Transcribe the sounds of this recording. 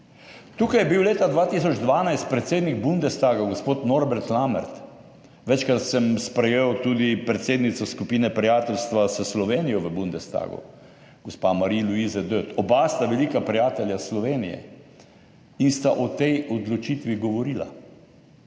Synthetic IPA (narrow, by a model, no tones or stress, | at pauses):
t̪uːkajɛbiwleːt̪ad̪ʋaːt̪is̬ɔd͡ʒd̪ʋaːnajst̪̚pɾɛt̪seːd̪niɡbund̪ɛst̪aːɡaɡospoːt̪nɔɾbɛɾt̪lamɛ̰ɾt̪ | ʋɛt͡ʃkɾat̪səmspɾɛjeːwt̪ud̪ipɾɛt̪seːd̪nit̪sɔskupiːnɛpɾijaːt̪ɛlst̪ʋazəslɔʋeːnijɔʋəbund̪ɛst̪a̰ːɡṵ | ɡ̥ospamaɾiluizɛd̪øt̪ʰɔbaːst̪aʋɛliːkapɾijaːt̪ɛljaslɔʋeːnijɛ̰ | inst̪aʔɔt̪ɛjɔd̪lɔt͡ʃit̪ʋiɡɔʋɔɾila̰